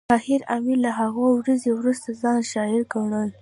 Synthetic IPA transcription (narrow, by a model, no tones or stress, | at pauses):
ɑhɪɾamiɾlaɦaɣowɾazewɾust̪azɑnʃɑɪɾɡaɳəl